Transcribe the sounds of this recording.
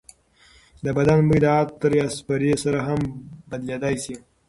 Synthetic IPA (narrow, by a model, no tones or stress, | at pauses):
d̪əbad̪anbəjd̪aat̪əɾaspaɾesaɾaɦambad̪led̪ajsi